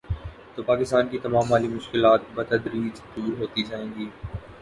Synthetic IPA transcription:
t̪oːpaːkɪst̪aːnkiːt̪ɐmaːmaːlimʊʃkɪlaːt̪bɐt̪əd̪ɾid͡ʒd̪uːɾɦoːt̪id͡ʒaːẽːnɡ̪iː

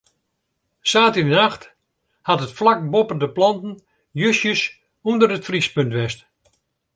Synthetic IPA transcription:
saːtinənaxt | hatətflak̚bopəndəplɑntən̩ | jøsjəs | undərətfrispɵntʋɛst

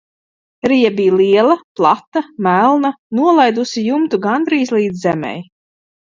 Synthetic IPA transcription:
ɾijɛbijlˠiɛlˠɐplˠat̪ːamælˠna | nuɔlˠajd̪usijumt̪uɡand̪ɾiːzlˠiːd̪zzɛmʲɛ̰j

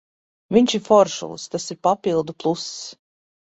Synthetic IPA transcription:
viɲʲʃiɾfɔɾʃṵlˠst̪asiɾpapilˠd̪uplˠusː

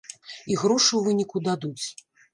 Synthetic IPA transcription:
iɣɾɔʂɨwvɨnʲikud̪ad̪ut͡sʲ

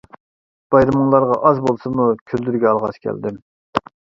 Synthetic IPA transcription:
b̥ɑjɾɨmɨŋlˠɑɾʁɑʔɑzbolˠsɨmukʲʰøld̪yɾɡʲɛɑlˠʁɑskʲʰɛ̰ld̪ɪm

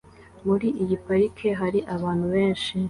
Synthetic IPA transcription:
muɾiʔiɟipaɾikʰeɦaɾiʔaβaːn̥huβeːnʃi

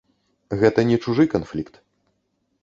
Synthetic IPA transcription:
ɣɛt̪ɐnʲɛt͡ʂuʐɨkanflʲikt̪

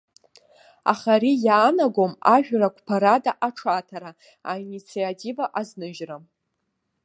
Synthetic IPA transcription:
a̰χaɾijaːnaɡo̞maʒᶣrakʷʰpʰaɾadaʔaʈ͡ʂʰatʰaɾa | ainit͡sʰiatʰivaʔaznɨʒram

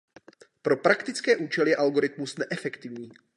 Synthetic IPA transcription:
pɾo̞pɾakt̪ɪt͡skɛːʔuːt͡ʃɛlɪjɛʔalɡo̞ɾɪt̪musnɛʔɛfɛkt̪ɪvɲiː

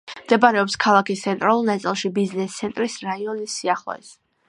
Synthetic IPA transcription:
md̪̥ɛbaɾɛɔpskʰalˠakist̪sʰɛnt̪ʼɾalˠulˠnat̪sʼilˠʃibiznɛst̪sʰɛnt̪ʼɾisɾaiɔnisːiaχlˠɔ̰ɛs

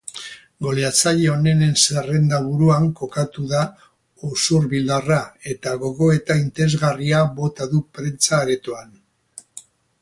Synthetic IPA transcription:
ɡo̞leat͡saʎeo̞ne̞ne̞nsare̞nd̪aβuɾuaŋko̞kat̪uða | osuɾβilarae̞t̪aɣo̞ɣo̞e̞t̪aint̪eɾezɣariaβo̞t̪aðupɾe̞nt͡saːɾe̞t̪oan

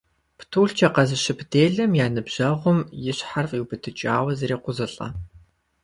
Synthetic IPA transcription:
ptʰuːɬt͡ʃʰɐqɐzɨɕɪpʰdeːɮɐmjaːnɨbʑ̥ɐʁʷʊmjɪɕħarfiwbɨtʰɨt͡ʃʼaːwɐzɐɾeːqʷʊzɨɬʼɐ̰

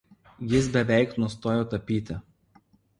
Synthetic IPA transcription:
jɪs̬bʲɛʋʲɛɪknʊst̪oːjoːt̪ɐpʲiːt̪ʲɪ

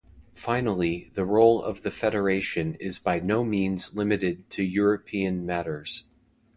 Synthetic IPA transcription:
fãɪ̃nl̩ˠiðɨɹoʊlˠʌ̰vðɨfɛɾə˞eɪʃɨ̃nɪzbaɪnoʊmĩnzlɪ̃mɨɾɪd̚tʰɨjʊɹɨpʰiɨ̃nmæɾə˞z̥

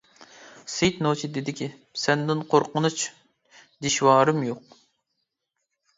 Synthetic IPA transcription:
sejt̪not͡ʃʰid̪ɪd̪ɪkʲi | sɛnd̪ɪnqʰoɾqənut͡ʃ | d̪ɪʃwɑːɾɨmjoq̚

